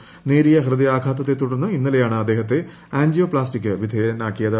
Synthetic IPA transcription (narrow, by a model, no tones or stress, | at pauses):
neːɾijɐɦrɨd̪ijaːkʰaːt̪ːɐt̪ːet̪ːuɽɐnːɐinːɐlejaːɳɨɐd̪ːe̞ːɦɐt̪̬ːe̞ | aːnd͡ʒijoːplaːsʈikʲːɨʋid̪ʱɐjɐnaːkːijɐðɐ